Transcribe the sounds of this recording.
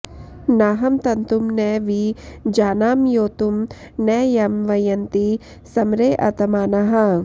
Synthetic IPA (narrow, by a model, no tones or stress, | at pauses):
naːɦɐmt̪ɐnt̪umneʋid͡ʒaːnaːmjoːt̪um | nɛːjɐmʋɐjɐnt̪i | sɐmɾeːʔɐ̰t̪ɐmaːnaɦɐ̃